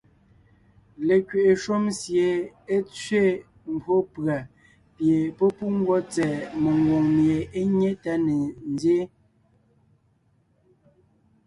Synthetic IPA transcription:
le˨kɥe˨ʔe˨ʃo˦msje˨ | e˦t͡sɥe˦˨ | m̩˨bʰo˦pa˨ | pje˨pɔ˦pu˦ŋ̩˦ɡwɔ˦t͡sɛ˨me˨ŋwɔ˨ŋmje˨ʔe˦ɲe˦ta˦ne˨n˦dje˦

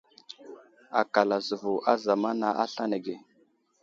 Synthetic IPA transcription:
a˨ka˨la˨zu˨vu˨ʔa˦za˨ma˦na˨ʔa˦ɬa˦ne˨ɡe˨

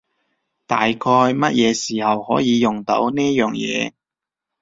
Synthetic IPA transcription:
t̪a̰ː˨jkʰɔː˧jmɐ˥t̚jɛː˨˧siː˨˩hɐ˨˩whɔː˨˥jiː˨˧jʊ˨˩ŋt̪o̰˨˥wniː˥jœː˨˩ŋjɛ̰ː˨˧

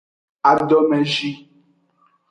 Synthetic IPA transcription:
a˨dɔ˦mɛ˨ʒi˦

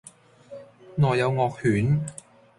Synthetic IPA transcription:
nɔː˨jːɐ˨˧wŋɔː˧k̚hyː˨˥n

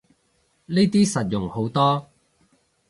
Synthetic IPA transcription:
ne˥t̪iː˥sɐ˨t̚jʊ˨˩ŋho˨˥wt̪ɔː˥

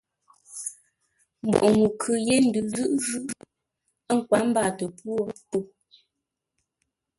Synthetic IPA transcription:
m̩˨bɔ̰˨ʔŋu˨kʰʉ˨je˦n̩˦dʉ˨zɯ˦ʔzɯ˦ʔ | ə˦ŋ̩˨kwa˨˦m̩˦ba˦˨tə˨pwo˦tu˨

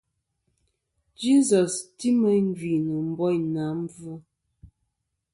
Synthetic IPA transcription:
d͡ʒi˦zɔ˨sti˦mə˦ŋ̩˦ɡi˨nə˨m̩˨˦bɔ˦jna˨˦m˦vu˦

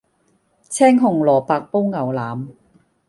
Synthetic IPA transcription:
t͡sʰɛː˥ŋɦʊ˨˩ŋlɔː˨˩paː˧k̚po˥wŋɐ˨˩wlaː˨˦m

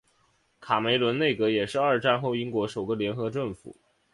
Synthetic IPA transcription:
kʰa˨˩me˧˥ɪlwə˧˥nne˥˩ɪkɤ˧˥jɛ˨˩ʂɻ̩˥˧ɐ˞˥˧ʈ͡ʂa˥˧nxo˥˩˧ʊi˥ŋkwɔ˧˥ʂo˨˩ʊɡə˦˧ljɛ˧˥nxɤ˧˥ʈ͡ʂɤ˥˩ŋfṵ˨˩˦

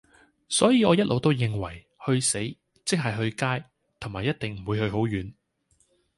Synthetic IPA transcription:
sɔː˨˥jiː˨˧ɔː˨˧jɐ˥t̚lʔo˨˧wt̪o˥wjɪ˨ŋwɐ˨˩j | hɵ˧ɥse˨˥j | t͡sɪ˥k̚ɦɐ˨jɦɵ˧ɥkaː˥j | t̪ʰŋmaː˨˩jɐ˥t̚t̪ɪ˨ŋm̩˨˩wuː˨˧jhɵ˧ɥɦo˨˥wjyː˨˥n

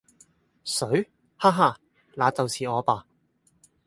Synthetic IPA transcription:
sɵ˨˥ɥ | haː˥ɦaː˧˩ | laː˨˧t͡sɐ˨wsiː˨ɔː˨˧paː˨˧

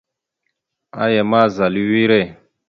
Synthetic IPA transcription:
a̰˦jɛ˨ma˦˨za˨li˦wi˦ɾɛ˦˨

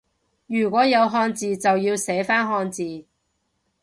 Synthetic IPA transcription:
jyː˨˩kʷɔː˨˥jɐ˨˧wɦɔː˧nt͡siː˨t͡sɐ˨wjiː˧wsɛː˨˥faː˥nɦɔː˧nt͡siː˨

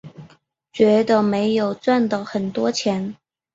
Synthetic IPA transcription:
t͡ɕɥɛ˧˥d̪ə˧me˧˥ɪjo˨˩ʊt͡swa˥˩nd̪ə˨˩xə˨˩nt̪wɔ˥t͡ɕʰjɛ˧˥n

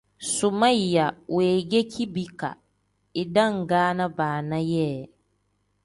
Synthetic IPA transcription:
sʊ˨ma˦˨ja˨weː˨ɡɛ˦kʰi˦bi˦ka̰˨ | ɪ˨da˦˨ŋ˨ɡaː˦na˦baː˨na˦jɛ˦˨

